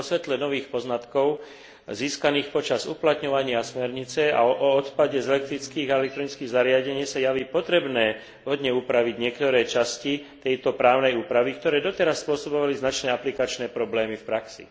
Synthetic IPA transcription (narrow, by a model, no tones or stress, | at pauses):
ɔsʋɛt̪lɛnɔʋiːxpɔznat̪kɔʊ | ziːskaniːxpɔt͡ʃazṵplat̪ɲɔʋaɲɪasmɛɾɲit͡sɛa̰ʔɔɔt̪paɟɛzɛlɛk̚t̪ɾit͡skiːɣaɛlɛk̚t̪ɾɔnit͡skiːɣzaɾɪaɟɛɲɪɛsajaʋiːpɔt̪ɾɛbnɛː | ɦɔd̪ɲɛuːpɾaʋiɟɲɪɛkt̪ɔɾɛːt͡ʃascit̪ɛjt̪ɔpɾaːʊnɛjuːpɾaʋik̚t̪ɔɾɛːd̪ɔt̪ɛɾasːpʊɔsɔbɔʋaliznat͡ʃnɛːaplikat͡ʃnɛːpɾɔblɛːmifpɾaksḭ